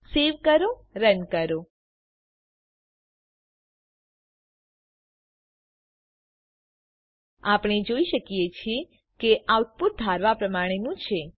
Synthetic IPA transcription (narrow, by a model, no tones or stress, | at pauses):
seʋkəɾoɾənkəɾo | apɳ̃ed͡ʒoiʃəkijet͡ʃʰie | keʔat̪̚puɾ̚d̪ʱaɾʋapɾəmaɽ̃enũt͡ʃʰe